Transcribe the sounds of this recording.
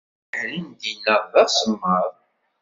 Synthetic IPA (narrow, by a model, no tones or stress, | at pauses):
ɾind̪inːəʁðæsəmːəðˤ